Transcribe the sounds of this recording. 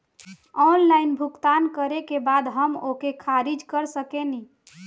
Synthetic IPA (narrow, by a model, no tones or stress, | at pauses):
ɔnlainbʱukt̪ankəɾekebad̪ɦəmokekʰaɾid͡ʒkəɾsəkeni